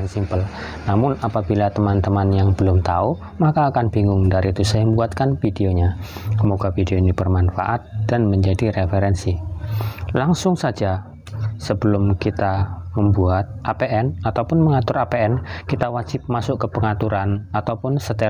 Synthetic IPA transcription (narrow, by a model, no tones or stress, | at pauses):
nsimpəl | namʊnapabilat̪əmant̪əmanjaŋb̥əlʊmt̪au | makaːkanbiŋʊŋdaɾit̪usaməmbuat̪̚kanfideoɲakəmoɡafideonibərmanfa̰ʔat̪̚d̥anməɲd͡ʒadirefeɾɛnsi | laŋsʊŋsad͡ʒa | səbəlʊmkit̪aməmbuat̪̚ʔapeʔɛnat̪awpʊnməŋat̪ʊɾapeɛnkit̪awḁd͡ʒɪp̚masʊʔkəpəŋat̪uɾanat̪awpʊnsət̪e